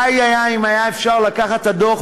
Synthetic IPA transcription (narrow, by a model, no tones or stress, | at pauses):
ajajaimajaefʃaʁlatkaχat̪ad̪o